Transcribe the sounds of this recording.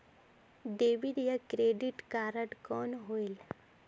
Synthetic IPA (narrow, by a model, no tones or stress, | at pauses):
ɖeːʋiɖjakɾeːɖiʈkaːɾəʈkɔːnɦoil